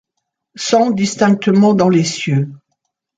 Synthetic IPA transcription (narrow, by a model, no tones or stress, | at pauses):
sɑ̃d̪ist̪ɛ̃k̚t̪əmɑ̃d̪ɑ̃lesjø